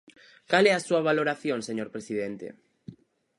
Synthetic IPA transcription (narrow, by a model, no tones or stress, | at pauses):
kalɛasuaβ̞aloɾaθjõŋseɲoɾpɾesiðent̪ḛ